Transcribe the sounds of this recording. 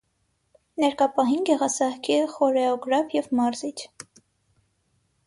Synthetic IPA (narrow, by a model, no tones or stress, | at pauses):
nɛɾkɑpɑɦinɡɛʁɑsɑhkʰiχɔɾɛɔɡɾɑpʰjɛvmɑɾzit͡ʃʰ